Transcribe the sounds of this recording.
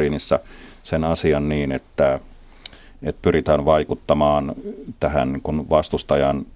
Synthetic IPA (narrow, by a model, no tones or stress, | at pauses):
inisːɑ | senɑsiɑnniːnet̪ːæ | et̪ːpyrit̪æːnʋɑikut̪ːɑmɑːnt̪æhæ̰nniːŋkunʋɑst̪ust̪ɑjɑn